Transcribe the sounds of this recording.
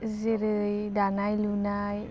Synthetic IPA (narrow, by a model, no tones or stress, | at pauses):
ziɾɯj | danajluna | j